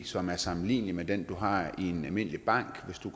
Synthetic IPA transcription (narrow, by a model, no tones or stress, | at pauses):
sɒ̽mæɐsɑ̈m̩lḭːnlimed̥end̥uɦɑ̈ienælme̝n̰əlib̥ɑ̈ŋ̰ɡ̥ʋe̝sd̥uɡ